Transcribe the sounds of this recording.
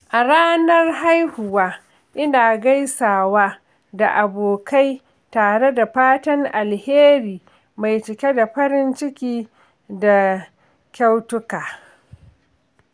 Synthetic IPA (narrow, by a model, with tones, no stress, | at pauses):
ʔa˨ɾaː˦nɐ˦rɦa˦jhʊ˨waː˦ | ʔɪ˦naː˨ɡa˦jsaː˨waː˦ | da̰˨ʔa˨boː˨kʰa˦j | taː˨ɽe˦da˨ɸaː˦tɐ˦ŋʔa˨lheː˦ɾiː˨ | ma˨jt͡ʃɪ˨kʲe˦da˨ɸɐ˦ɾɪ˦nt͡ʃɪ˦kʲiː˦ | da˨ | kʲa˦wtʊ˦kaː˨